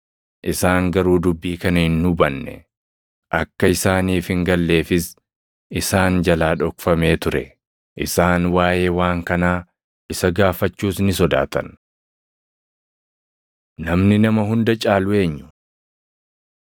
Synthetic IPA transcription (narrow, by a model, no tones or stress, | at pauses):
ʔɪsaːŋɡɐɾuːd̪ʊbːiːkɐnɐhɪnːʊbɐnːɛ̰ | ʔɐkːɐɪsaːniːfhɪŋɡɐlːe̞ːfɪs | ɪsaːnd͡ʒɐlaːᶑɔkfɐme̞ːt̪ʊɾɛ̰ | ʔɪsaːnwaːje̞ːwaːŋkɐnaː | ʔɪsɐɡaːfɐt͡ʃːuːsnɪsɔd̪a̰ːt̪ɐ̰n | nɐmnɪnɐmɐɦʊnd̪ɐt͡ʃʼaːlʊe̞ːɲːʊ̥